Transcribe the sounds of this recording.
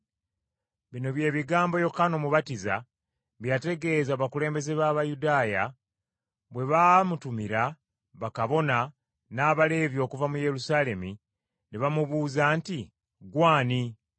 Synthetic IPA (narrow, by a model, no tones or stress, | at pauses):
βino̞βje̞ːβiɡaːmbo̞jo̞kano̞muβatiza̰ | βjate̞ɡe̞ːzaːβakule̞ːmbe̞ze̞βaːβajudaːja | βwe̞βamutumiɾa | βakaβo̞na | naːβale̞ːβjo̞ːkuvamuje̞ɾusaːle̞mi | neβamuβuːzanti | ɡwaːni